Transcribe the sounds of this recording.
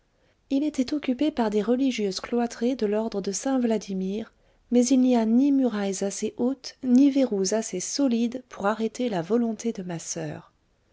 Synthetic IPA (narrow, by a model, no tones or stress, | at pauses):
ilet̪ɛt̪ɔkʲypepaʁd̪eʁəliʒjøzklwat̪χed̪əlɔʁd̪ʁəd̪əsɛ̃vlad̪imiːʁ | mɛzilnianimyʁajzaseʔot̪niveʁuzasesɔlid̪pʰuʁaʁet̪elavɔlɔ̃t̪ed̪əmasœ̰ːʁ